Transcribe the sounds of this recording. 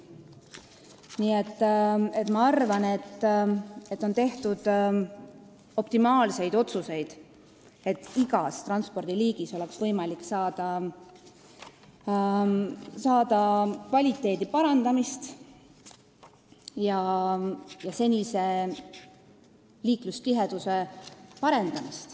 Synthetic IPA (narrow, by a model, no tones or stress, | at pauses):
niːe̞t̪ːe̞t̪ːˑmɑɑrvɑne̞t̪ː | e̞t̪ːˑo̞nt̪e̞ht̪ud̪̥ | o̞pt̪imɑːlse̞jd̪o̞t̪suse̞jd̪̥ | e̞t̪ːiɡɑst̪rɑnspo̞rd̪̥iliːɡ̥iso̞le̞ksvɤ̞jmɑlikːsɑːd̪̥ɑ | sɑːd̪̥ɑkvɑlʲit̪ːˑe̞ːd̪ipɑɾɑnd̪̥ɑmist̪ | jɑ | jɑse̞nʲise̞ | liːklust̪iɦe̞d̪̥use̞pɑɾe̞nd̪̥ɑmist̪